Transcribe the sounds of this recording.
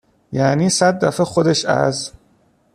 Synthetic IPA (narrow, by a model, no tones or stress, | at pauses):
jæniːsæd̪ːæfexod̪eʃæ̰z